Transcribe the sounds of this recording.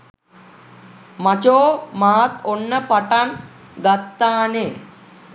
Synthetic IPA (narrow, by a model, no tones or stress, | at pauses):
mɐt͡ʃoːmaːt̪onːɐpɐʈɐnɡɐt̪ːaːne